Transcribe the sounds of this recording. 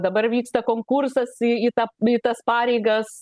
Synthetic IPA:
d̪ɐbɐrʋʲiːkst̪ɐkoːŋkursɐsiit̪ɐit̪ɐspɑːɾʲɛɪɡɐs

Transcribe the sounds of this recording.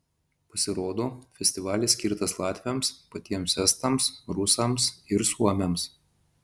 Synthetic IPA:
pɐsʲɪɾoːd̪oːfʲɛsʲt̪ʲɪʋɑːlʲɪsʲkʲiɾt̪ɐslˠɑːt̪ʲʋʲɪomspɐt̪ʲiɛmsʲɛst̪ɐmsɾʊsɐmsɪɾsuɔmʲɛms

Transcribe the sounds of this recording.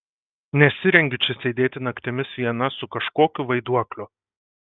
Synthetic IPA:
nʲɛsʲɪɾʲɛŋʲɡʲɪt͡ʃʲɛsʲeːd̪ʲeːt̪ʲɪnɐkt̪ʲɪmʲɪsʋʲiɛnɐsʊkɐʃkoːkʲʊʋɐɪd̪uɔklʲʊ

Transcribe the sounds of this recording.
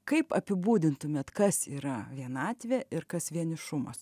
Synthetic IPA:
kɐɪpɐpʲɪbuːd̪ʲɪnt̪ʊmʲeːt̪kɐsiːɾɐʋʲiɛnɑːt̪ʲʋʲeʔɪɾkɐsʋʲiɛnʲɪʃʊmɐ̰s

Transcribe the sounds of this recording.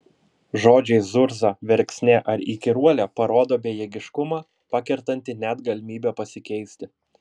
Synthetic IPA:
ʒoːd͡ʒʲɛɪzʊɾzɑʋʲɛɾʲksʲnʲeːʔɐɾikʲɪɾuɔlʲɛːpɐɾoːd̪oːbʲeːjɛɡʲɪʃkʊmɑː | pɑkʲɛɾt̪ɐnʲt̪ʲɪnʲæd̪ɡɐlʲɪmʲiːbʲɛpɐsʲɪkʲɛɪsʲt̪ʲɪ

